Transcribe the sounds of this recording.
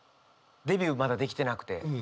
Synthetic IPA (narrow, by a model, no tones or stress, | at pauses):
d̪e̞bʲjɯːmad̪ad̪e̞kʲi̥t̪e̞nakɯ̟̥t̪e̞